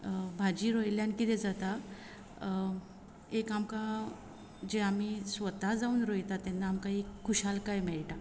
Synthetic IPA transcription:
bʱad͡ʑiːɾojljankit̪ɛd͡zat̪a | ekamka | d͡ʑeam̤isʋət̪ad͡zauːnɾojt̪at̪ɛnːaːmkaikʰːuɕalkajmɛɭʈa

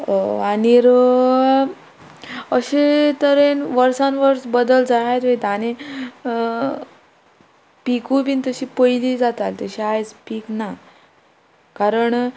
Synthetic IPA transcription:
aniɾ | əɕet̪əɾenʋəɾsãnʋəɾsbəd̪əld͡zaɦat̪ʋəjt̪ane | pikubint̪əɕiːpəjlid͡zat̪alt̪əɕiajt͡spiːkna | kaɾəɳ

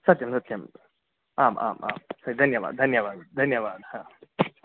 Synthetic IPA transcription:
sɐt̪jɐmsɐt̪jɐm | aːma̰ːma̰ːmsɐd̪ʱɐnjɐba̰ːd̪̚d̪ʱɐnjɐbaːd̪d̪ʱɐnjɐbaːd̪haːm

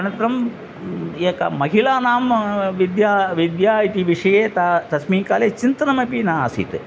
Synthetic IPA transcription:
ɐnɐt̪ɾɐm | eːkɐ̰mɐɦilaːnaːmʋid̪jaːʋid̪jaːit̪iʋiʂɐjeːt̪at̪ɐsmiːkaːleːt͡ʃint̪ɐnɐmɐpinaːsḭt̪

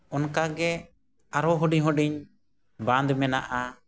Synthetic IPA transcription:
ɔnkaɡɛ | aɾɔɦɔɖiɲɦɔɖiɲ | bãnd̪mɛnaʔa

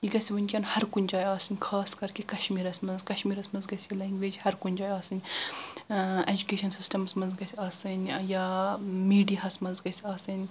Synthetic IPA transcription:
jiɡɐsʲiʋɐnʲkʲɐːnhɐɾkunʲd͡ʒaːjaːsɨnʲkʰaːskɐɾkikɐʃmiːɾɐsmɐnzkɐʃmiːɾɐsmɐnzɡɐsʲilɐːŋɡʋeːd͡ʒhɐɾkunʲd͡ʒaːjaːsɨnʲ | ed͡ʒukeːʃɐnsisʈɐmsmɐnzɡɐsʲaːsɨnʲjaːmiːɖiɦɐsmɐnzɡɐsaːsɨnʲ

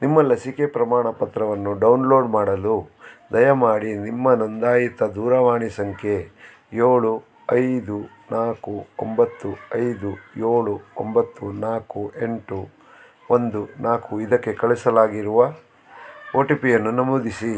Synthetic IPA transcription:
nimːɐlɐsikepɾɐmaːɳɐpɐt̪ɾɐʋɐnːuɖɐwnlo̞ːɖmaːɽɐlud̪ɐjɐmaːɽinimːɐnond̪aːjit̪ɐd̪uːɾɐʋaːɳisɐŋkʰe̞ | joːɭu | ɐjd̪u | naːkuo̰mbɐt̪ːuɐjd̪ujoːɭuo̰mbɐt̪ːunaːkuʔe̞ɳʈu | ond̪unaːkuid̪ɐkːe̞kɐɭɛsɐlaːɡiɾuʋɐ | oːʈipijɐnːunɐmoːd̪isi

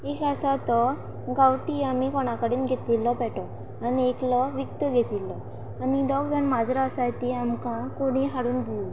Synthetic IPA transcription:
ekasat̪ɔ | ɡawʈiamikɔɽ̃akəɽiːnɡʱet̪lilːɔpɛʈɔ | anieklɔʋikt̪əɡʱet̪ilːɔ | anid̪ɔɡd͡zənmad͡zɾaasajt̪iamkãkoɽ̃iɦaɽuːnɡ̪iɔ

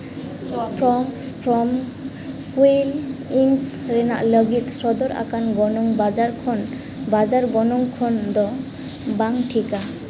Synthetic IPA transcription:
pʰɾɔmspʰɾɔm | kweliŋsɾɛna̰ʔləɡit̪̚sɔd̪ɔɾʔa̰kanɡɔnɔŋbad͡ʒaɾkʰɔn | bad͡ʒaɾɡɔnɔŋkʰɔnd̪ɔ | baŋʈʰika

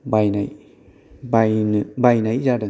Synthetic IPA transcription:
bajnaj | bajnbajnajizadɐ

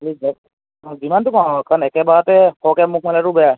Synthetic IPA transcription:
lizɛs | zimantukakanɛkɛbaɹatɛhɔkɛmuk̚ʰmalaɾʊbɛja

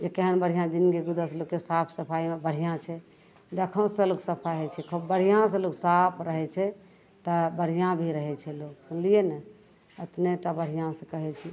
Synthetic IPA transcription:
d͡ʒekeɦənbəɽ̤ijãd͡ʒinɡeɡud̪əslokːesapʰsəpʰaimebəɽ̤ijãt͡ʃʰɛ | d̪ekʰəw̃sə̃loksəpʰaɦɛt͡ʃʰɛkʰəbəɽ̤ijãs̬ə̃loksapʰɾəɦɛt͡ʃʰɛ | t̪əbəɽ̤ijãbʱiɾəɦɛt͡ʃʰɛloksə̃lijenɛ | ət̪neʈabəɽ̤ijãsə̃kəɦɛt͡ʃʰi

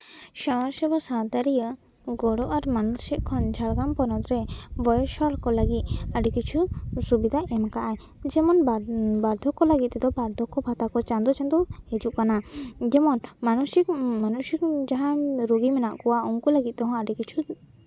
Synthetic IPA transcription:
ʃɔmasɛbɔsãt̪aɾijə | ɡɔɽɔʔaɾmanusiʔkʰɔnd͡ʒʰʱaɽɡampɔnɔt̪ɾɛbɔjɔʃɔɽkɔləɡit̪̚əɖɛkit͡ʃʰusubid̪ʱaʔɛmkaʔaj | d͡ʒɛmɔnbaɾd̪ʱɔkːɔləɡit̪̚t̪ɛd̪ɔbaɾd̪ʱɔkːɔbʱat̪akɔt͡ʃãnd̪ɔt͡ʃãnd̪uhed͡ʒuʔkanad͡ʒɛmɔnmanusikmanusikd͡ʒaɦãɾuɡimɛnaʔkɔwauŋkuləɡit̪̚ˀt̪ɔɦɔ̃aɖikit͡ʃʰu

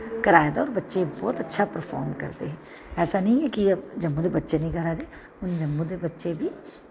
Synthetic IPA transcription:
kɐɾaːjd̪aɔːɾbɐtːʃebɔːt̪ɐtːʃʰapəɾfʰɔ̰ːɾmkɐ̰ɾt̪eɦɛ̃ː | ɛːsanəɦĩɛkid͡ʒɐmːud̪ebɐtːʃenəĩkɐɾaːd̪e | ʊnd͡ʒɐmːũd̪ebɐtːʃebʱi

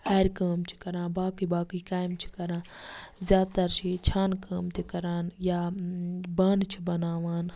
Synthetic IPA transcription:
hɐːɾʲkaːmt͡ʃʰi̥kɐɾãːbaːkibaːkiːkaːjmt͡ʃʰi̥kɐɾãːzʲjaːt̪ɐɾt͡ʃʰit͡ʃʰaːnkaːmt̪ʰikɐɾaːnjaː | baːnt͡ʃʰibɐnaːʋaːn

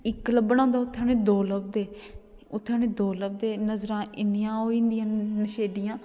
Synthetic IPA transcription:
ɪkːləbːəñãːnd̪aːʊt̪ʰːaːnẽːd̪oːləb̚d̪eː | ʊt̪ʰːaːneːd̪oːləb̚d̪eːnəzɾãːʔɪnjãːɦoːĩːnd̪ɪjãːnəʃeːɖɪjãː

